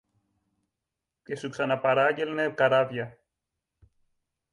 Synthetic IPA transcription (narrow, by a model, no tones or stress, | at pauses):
cesuksɐnɐpɐɾaʝelnekɐɾavʝɐ